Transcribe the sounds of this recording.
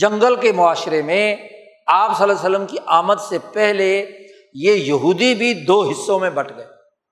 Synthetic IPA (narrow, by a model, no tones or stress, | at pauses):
d͡ʒɐ̃ŋɡəlkemʊaːʃɾemẽ | aːpsɐlas̬əlːəmkiʔaːmət̪sepɛɦle | jejɐɦuːd̪ibʱid̪oːɦɪsːõmẽbɐʈʰɡɐeː